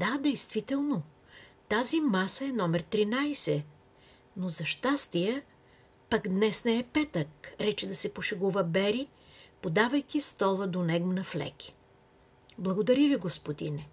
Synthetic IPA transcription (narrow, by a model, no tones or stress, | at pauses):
d̪ad̪ɛjst̪vit̪ɛlˠno | t̪azimasəɛnɔmɛɾt̪ɾinajsɛ | nozɐʃt̪ast̪ijə | paɡd̪nɛsnɛːpɛt̪əkɾɛt͡ʃɛd̪ɐsɛpoʃɛɡuvəbɛɾi | pod̪avɐjkist̪ɔlˠəd̪onɛɡmnɐflɛ̰kʲi̥ | blˠɐɡod̪ɐɾiviɡospod̪ḭnɛ